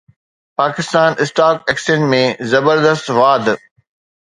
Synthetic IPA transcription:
paːkɪst̪aːnɪsʈaːkɛksẽnʈmẽzɐbəɾd̪əst̪ʋaːd̪

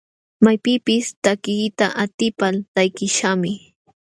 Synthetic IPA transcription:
majpɪpɪst̪akɪːt̪aʔat̪ɪpalt̪ajkɪʃamɪ

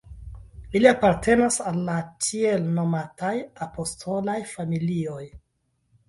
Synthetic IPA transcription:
iliapaɾtʰe̞nasalːatie̞lno̞matʰajapo̞stʰo̞lajfamilio̞j

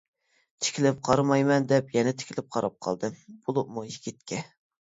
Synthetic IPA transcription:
t̪ʰɪ̥kʲʰilɪp̚qʰɑɾmɑjmɛnd̪ɛpjɛnɛt̪ʰɪ̥kʲilɪp̚qʰɑɾɑ̰p̚qʰɑ̰lˠd̪ɨb̥olˠup̚muikʲʰit̪̚kʲʰɛ

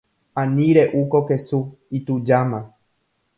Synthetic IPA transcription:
ãnĩɾeʔukokesu | it̪ud͡ʒamã

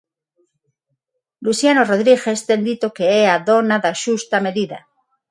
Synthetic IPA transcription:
lusjanoroðɾiɣe̞st̪e̞nd̪it̪okeeaðo̞naðaʃust̪ame̞ðiða̰

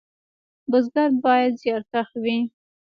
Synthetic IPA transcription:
bəzɡaɾbɑjad̪zjɑɾt̪axwi

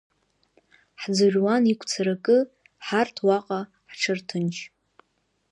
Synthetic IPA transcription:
ħd͡zɨrʲwanikʷʰt͡sʰaɾakʼɨ | ħartʰwaqʼa | ħʈ͡ʂʰɨrtʰɨnt͡ʃʰ

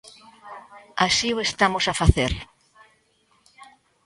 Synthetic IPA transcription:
asioest̪amosafaθeɾ

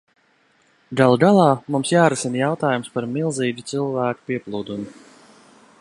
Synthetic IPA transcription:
ɡalˠɡalˠɑːmumsjaːɾusinjawt̪aːjumspaɾmilˠziːd͡ʒut̪sɨlˠvæːku̥piɛplˠuːd̪umu

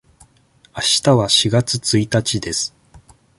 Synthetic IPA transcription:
aɕi̥t̪aβaɕiɡat͡sɨt͡sɨit̪at͡ɕid̪e̞sɨ̥

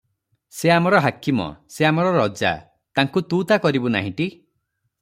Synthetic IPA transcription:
seamɔɾɔɦakimɔ̰seamɔɾɔɾɔd͡ʒa̰ | t̪aŋkut̪ut̪akɔɾibuna̰ɦĩʈi

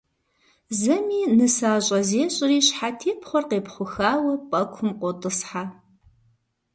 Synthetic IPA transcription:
zɐmiːnɨsaːɕʼɐzeːɕʼɪriːɕħatʰeːpχʷɔrqeːpχʷʊxaːwɐpʼɐkʷʰʊmqʷʼɔtʼɨsħaː

